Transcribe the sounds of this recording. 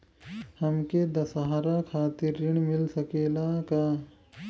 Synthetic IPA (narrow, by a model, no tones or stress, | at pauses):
həmked̪əsaɦaɾakʰaːt̪iɾːɪɳ̃mɪlsəkeːlaka